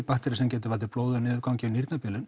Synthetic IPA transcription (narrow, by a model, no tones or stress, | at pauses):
paht̪ɪɾɪsɛmcɛːt̪ɪvalt̪ɪɾploːwðʏnɪːðɪkawɲcɪʏniɾt̪napɪːlʏn